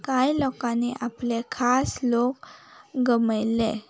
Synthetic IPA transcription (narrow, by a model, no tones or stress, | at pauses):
kajlɔkãneʔaplekʰaslokɡəməjle